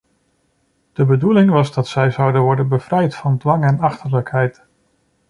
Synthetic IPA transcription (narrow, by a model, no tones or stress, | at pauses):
d̥əbədulɪŋʋɑzdɑtsɛjzʌwdənʋɔɹdənbəv̥rɛjtfɑndʋɑŋɛnɑχtəɹləkɦɛjt